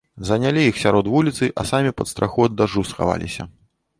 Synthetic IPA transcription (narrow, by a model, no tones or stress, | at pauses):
zɐnʲalʲijixsʲaɾɔd̪vulʲit̪sɨʔɐsamʲipɐt̪st̪ɾʔaxuɐd̪ːaʐusxa̰va̰lʲḭsʲɐ̰